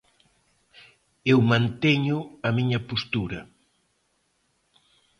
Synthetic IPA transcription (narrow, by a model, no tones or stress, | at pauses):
ewmãnt̪eɲʊɐmiɲɐpost̪uɾɐ